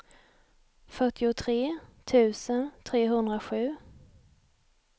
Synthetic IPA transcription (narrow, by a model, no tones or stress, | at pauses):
fœʈːɪʊt̪ʰɾeːt̪ʰʉ̟ːsənt̪ʰɾeːɦɵnd̪ɾaɧʉ̟ː